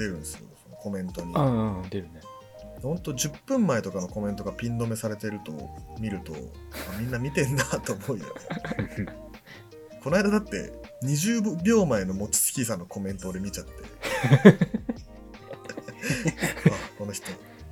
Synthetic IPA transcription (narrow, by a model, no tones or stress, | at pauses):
d̪̥e̞ɾɯ̟̃nsɨjo̰sono̞ko̞mẽ̞nt̪o̞ɲ̟id̪eɾɯ̟ne | hõ̞nt̪o̞d͡ʑɨpːɯ̟̃mːaet̪o̞kano̞ko̞mẽ̞nt̪o̞ɡapʲĩnd̪o̞me̞saɾe̞t̪e̞ɾɯ̟t̪o̞̰mʲiɾɯ̟t̪o̞̰amʲĩnːamʲit̪ẽ̞nːat̪ːo̞ːmo̞ijo̰ | ko̞naid̪ad̪at̪ːe̞̰ | ɲ̟iʑɨːbʲjo̞ːmae̞no̞mo̞t͡ɕi̥sɨ̥kʲisanːo̞ko̞mẽ̞nt̪od̪e̞mʲit͡ɕat̪ːe̞̰ | ako̞no̞çi̥t̪o̞